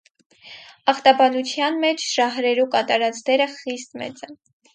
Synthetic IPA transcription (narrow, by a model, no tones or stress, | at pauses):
ɑχt̪ɑbɑnut͡sʰjɑnmɛt͡ʃʰʒ̥ɑɦɾɛɾukɑt̪ɑɾɑt͡sd̪ɛɾəχist̪mɛ̰t͡sɛn